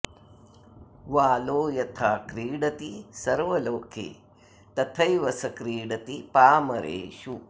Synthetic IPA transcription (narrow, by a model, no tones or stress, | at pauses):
ʋaːloːjɐt̪ʰaːkɾiːɽɐt̪isɐɾʋɐloːkʰḛː | t̪ɐt̪ʰɐjʋɐsɐkɾiːɽɐt̪ipaːmɐɾʔḛːʃu